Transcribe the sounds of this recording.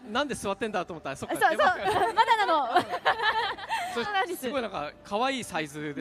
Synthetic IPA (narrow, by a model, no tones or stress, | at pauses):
nãnd̪esɨβat̪ːe̞nd̪at̪oːmot̪ːasokasoeokmad̪anano | sonãsɨɡo̞inãŋka̰kʰaβaiːsaizɨd̪e